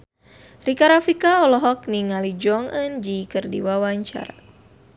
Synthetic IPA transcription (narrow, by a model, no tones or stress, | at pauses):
rikaɾafikaɔlɔɦɔk̚niŋalid͡ʒɔŋənd͡ʒikərdiwawaɲt͡ʃa̰ɾa̰